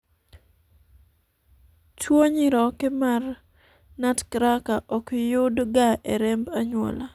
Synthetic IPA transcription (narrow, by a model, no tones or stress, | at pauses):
t͡ʃwoɲɪɾɔkɪmar | natkɾakaʔɔkjʊdɡaʔeɾembaɲwɔ̰la